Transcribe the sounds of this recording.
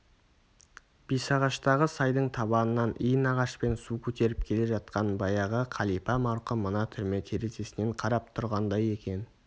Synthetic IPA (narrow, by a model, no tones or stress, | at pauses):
b̥ijsɑʁɑʃt̪ɑʁəsɑjd̪əɴt̪ʰɑβɑnənɑnijənɑʁɑʃpe̞nsukʲʰɵt̪e̞ɾɪp̚kʲʰe̞le̞ʒɑt̪̚qɑnbɑjɑʁəqʰɑlˠipɑmɑɾqəmənɑt̪ʰʏɾme̞t̪ʰe̞ɾe̞t̪e̞sɪne̞ɴqʰɑɾɑp̚t̪ʰʊɾʁɑnd̪ɑje̞kʲe̞n